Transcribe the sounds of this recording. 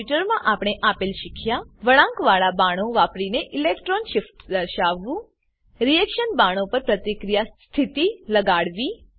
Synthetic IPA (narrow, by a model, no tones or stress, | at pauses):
uʈəɾmãʔapɽ̃eʔapelʃɪkʰjaʋəɭãŋkʋaɭabaɽ̃õʋapɽineʔɪlekʈɾonʃɪfʈd̪əɾʃaʋːũ | ɾijɛkʃənbaɽ̃õpəɾpɾət̪ikɾijas | t̪ʰit̪iləɡaɽʋi